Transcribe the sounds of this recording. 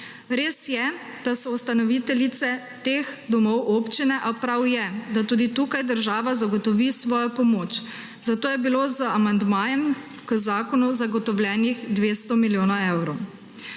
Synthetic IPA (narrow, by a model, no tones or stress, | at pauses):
ɾeːsjɛ | d̪̥asɔust̪anɔʋit̪ɛlit̪sɛ | t̪eːxd̪ɔmɔwʔoːpt͡ʃinɛʔapɾawjɛd̪at̪uːd̪it̪ukajd̪əɾʒaːʋazaɡɔt̪ɔʋisʋɔːjɔpɔmoːt͡ʃ | zat̪oːjɛbilozəamand̪maːjɛm | kəzaːkɔnuzaɡɔt̪ɔwljɛːnixd̪ʋeːst̪ɔmiljoːnaɛwɾɔw